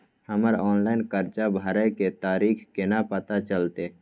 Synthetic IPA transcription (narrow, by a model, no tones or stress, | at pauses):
həməɾɔːnlaːɪnkəɾt͡ʃabʱəɾəjket̪aːɾiːkʰkenapət̪at͡ʃəlt̪e